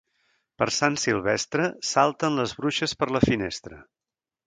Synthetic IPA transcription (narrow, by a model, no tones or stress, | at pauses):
pəɾsansilˠβɛst̪ɾəsalˠt̪ənləzβɾuʃəspəɾləfinḛst̪ɾə